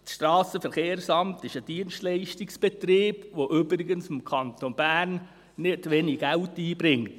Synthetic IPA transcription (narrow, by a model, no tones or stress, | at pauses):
sʃtrɑːsəfɛɾχeːɾsɑmtɪʃəd̥iənstlɛɪʃtɪksb̥ɛt̪reːb̥ʋoʔʏbɾɪɡənsɪmkʰɑnt̪onb̥æːrn | nɪtʋeniɡ̥æltiːbɾɪŋt